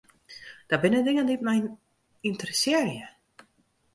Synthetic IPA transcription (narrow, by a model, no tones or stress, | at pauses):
d̥abɪnədɪŋəndit̚mɛjn | intərəsɪːrjə